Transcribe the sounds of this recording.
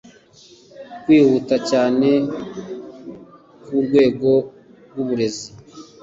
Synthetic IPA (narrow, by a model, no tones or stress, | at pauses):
kwiːhuːtacaːne̞ | kuɾɡwe̞ːɡo̞ | ɾɡuβuɾe̞zi